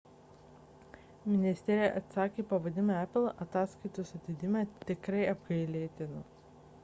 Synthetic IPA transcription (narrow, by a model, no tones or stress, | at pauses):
mʲɪnʲɪsʲt̪ʲɛɾʲɪjɛʔɐt̪sɑːkʲeːpɐʋɐd̪ʲɪmʲoæpʲlˠɐt̪ɑːskɐɪt̪usɐt̪ʲɪd̪ʲɪmʲɛt̪ʲɪkɾɐɪɐbɡɐɪlʲeːt̪ʲɪnʊ